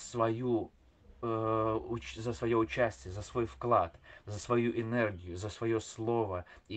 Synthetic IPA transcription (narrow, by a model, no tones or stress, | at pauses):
svɐju | ʊzəsvɐjoʊt͡ɕæsʲtʲɪjəzɐsvo̞jfklˠat̪zəsvɐjuʔɪnɛrɡʲɪjʊzəsvɐjoslˠo̞vəi